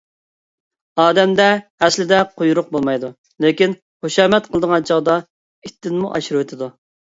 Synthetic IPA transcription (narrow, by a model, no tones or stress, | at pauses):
ɑːd̪ɛmd̪ɛːslɪd̪ɛqʰojuɾʊq̚bolˠmɑjd̪u | lekʲin | χoʃɑːmɛt̪qʰəlˠəd̪əʁɑnt͡ʃʰɑʁd̪ɑ | it̪ːɪnmuʔɑ̰ʃɾɨwet̪ʰɪd̪u